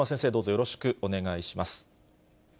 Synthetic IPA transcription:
asẽ̞se̞ːd̪o̞ːzo̞jo̞ɾo̞ɕi̥kɯ̟ʔo̞ne̞ɡaiɕimasɨ̥

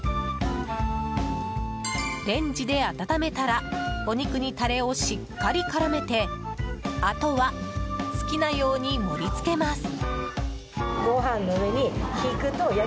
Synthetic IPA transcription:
ɾẽ̞ɲ̟d͡ʑid̪e̞at̪at̪ame̞t̪aɾao̞ɲ̟ikɯ̟ɲ̟it̪aɾe̞o̞ɕikːaɾʲikaɾame̞t̪e̞ | at̪o̞βasɨ̥kʲinajo̞ːɲ̟imo̞ɾʲit͡sɨ̥ke̞masɨ̥ | ɡ̥oɦãnːoɯβe̞ɲ̟içikɯ̟t̪oja

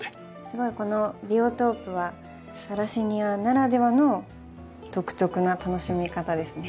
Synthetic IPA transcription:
sɨɡo̞iko̞no̞bʲiot̪o̞ːpɯ̟βa | saɾaɕiɲ̟ianaɾad̪e̞βanoː | t̪o̞kɯ̟̥t̪o̞kɯ̟nat̪ano̞ɕimʲikat̪ad̪e̞sɨne

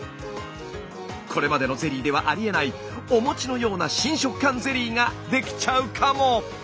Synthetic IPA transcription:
kʰo̞ɾe̞mad̪e̞no̞ze̞ɾʲiːd̪e̞β̞aʔaɾʲie̞nai | o̞mo̞t͡ɕino̞jo̞ːnaɕĩɰ̃ɕo̞kɯ̟̥kːãnze̞ɾʲiːŋad̪e̞kʲi̥t͡ɕaɯ̟kʰamo̞

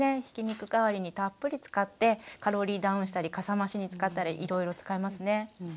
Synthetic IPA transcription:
eçi̥kʲiɲ̟ikɯ̟kaβaɾʲiɲ̟it̪apːɯ̟ɾʲit͡sɨ̥kat̪ːe̞kaɾo̞ɾʲiːd̪ãɯ̃ɕi̥t̪aɾʲikasamaɕiɲ̟it͡sɨ̥kat̪ːaɾʲiʔiɾo̞iɾo̞t͡sɨ̥kaemasɨne̞

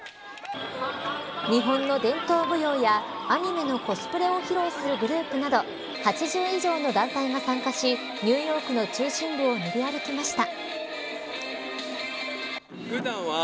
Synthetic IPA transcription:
ɲ̟iɦõ̞nːo̞d̪ẽ̞nt̪o̞ːbɯ̟jo̞ːjaːɲ̟ime̞no̞ko̞sɨ̥pɯ̟ɾe̞o̞çiɾo̞ːsɨɾɯ̟ɡɯ̟ɾɯ̟ːpɯ̟nad̪o̞ | hat͡ɕiʑɨːiʑo̞ːno̞d̪ãnt̪aiŋasãŋkaɕi | ɲ̟ɨːjo̞ːkɯ̟no̞t͡ɕɨːɕĩmbɯ̟o̞nibʲiaɾɯ̟kʲimaɕi̥t̪a

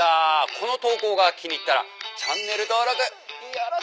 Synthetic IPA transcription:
akʰonot̪oːɡoɡakʲʰiɲit͈ːaɾa̰t͡ɕanːe̞ɾɯd̪oɾaɡɯ

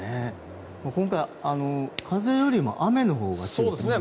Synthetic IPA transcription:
e | moːkõ̞ŋkaiano̞kʰaze̞jo̞ɾʲimo̞̰ʔame̞no̞ɦo̞ːɡasoːd̪esne

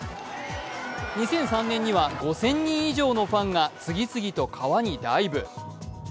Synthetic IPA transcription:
ɲ̟isẽ̞ɰ̃sãnːẽɲ̟ːiβaɡo̞sẽ̞ɲ̟ːĩɰ̃iʑo̞ːno̞pãŋɡat͡sɨɡʲit͡sɨɡʲit̪o̞kʰaβaɲ̟id̪aibɯ̟

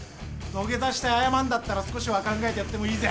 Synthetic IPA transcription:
no̞ɡʲe̞zaɕi̥t̪aajamãnd̪at̪ːaɾasɨ̥ko̞ɕiβakãŋɡae̞t̪ejat̪ːemo̞iːze

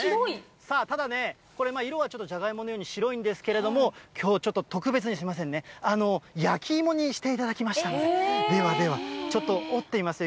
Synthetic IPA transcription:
oi | saːt̪ad̪ane̞ | ko̞ɾe̞maːiɾo̞βat͡ɕo̞t̪ːo̞ʑaɡaimo̞nojoːɲ̟iɕiɾo̞ĩnd̪e̞sɨ̥ke̞ɾe̞d̪o̞mo̞kʲʰo̞ːt͡ɕo̞t̪ːo̞t̪o̞kɯ̟be̞t͡sɨɲisɨimas̬ẽ̞nːe̞ano̞jakʲiːmo̞ɲ̟iɕi̥t̪e̞it̪ad̪akʲimaɕi̥t̪aned̪e̞βad̪e̞βat͡ɕo̞t̪ːo̞ot̪ːe̞imasɨ

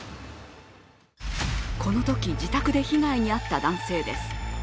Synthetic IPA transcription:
kʰo̞no̞t̪o̞kʲid͡ʑit̪akɯ̟d̪e̞çiɡaiɲ̟iat̪ːad̪ãɰ̃se̞ːd̪e̞sɨ̥

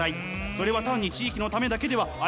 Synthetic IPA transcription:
ai | so̞ɾe̞β̞at̪ãɲ̟ːit͡ɕiːkʲino̞t̪ame̞d̪ake̞d̪e̞βaa

